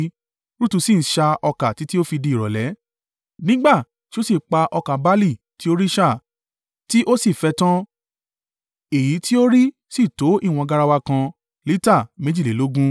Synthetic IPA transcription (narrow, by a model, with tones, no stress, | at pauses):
ɾu˦tu˧si˦˨n̩˨˦ʃa˧ɔ˧ka˨ti˨˦ti˦o˦fi˧di˧˨ɾɔ˨lɛ˨˦ | nĩ˦ɡ͡ba˦˨ | ti˦o˦si˦˨k͡pa˧ʔɔ˧ka˨ba˦li˦˨ | ti˨˦o˦ɾi˦ʃa˦˨ | ti˦ʔo˦si˦˨fɛ˧tã˦ | e˨ji˨˦tʰi˦o˦ɾi˦ | si˦˨to˨˦ʔi˦˨w̃ɔ̃˧ɡa˦˧ɾa˧wa˧kã˧ | li˦ta˦˨mẽ˨˦d͡ʒi˦˨e˨˦lo˨˦ɡũ˦